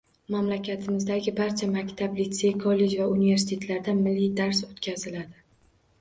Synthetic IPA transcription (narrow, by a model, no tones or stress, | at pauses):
mamlakʲʰat̪ʰɪmɪzd̪aɡʲɪbaɾt͡ʃʰamakʲt̪ʰablit̪se̞jkʰɒlːe̞d͡ʒvaunive̞ɾsɪ̥t̪ʰe̞t̪ʰlaɾd̪amɪlːijd̪aɾsot̪kʲʰazɪlad̪ɪ